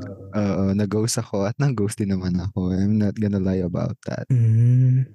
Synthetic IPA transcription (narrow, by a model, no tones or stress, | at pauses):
ʔoːʔonɐɡowsɐko̞ɐt̪̚nɐŋɡowsd̪ɪnɐmanɐkoajmnɐt̪̚ɡɔnɐlajɐba̰wt̪̚d̪a̰t̪̩̚ː